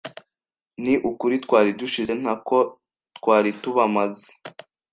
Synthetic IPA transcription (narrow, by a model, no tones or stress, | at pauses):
niʔukuɾitkwaːɾiduʃizen̥hako | tkwaːɾituβamaze̥